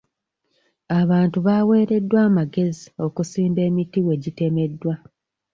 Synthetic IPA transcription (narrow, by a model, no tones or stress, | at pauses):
aβaːntuβaːwe̞ːɾe̞dːwaːmaɡe̞zio̞kusiːmbe̞ːmitiwe̞ɟite̞me̞dːwa